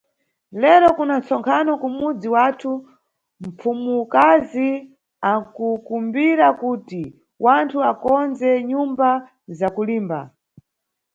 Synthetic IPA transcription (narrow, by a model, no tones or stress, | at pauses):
lɛɾɔkunant͡sɔŋkʰanɔkumud͡ziwatʰu | m̩pʰumukazi | akukumbiɾakuːti | wantʰuakɔnd͡zɛɲumba | zakuliːmba̰